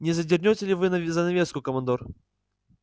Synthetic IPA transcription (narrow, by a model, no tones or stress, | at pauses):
nʲɪzɐdʲɪrnʲotʲɪlʲɪvɨnzɐnɐvʲest̪kʊkəmɐnd̪or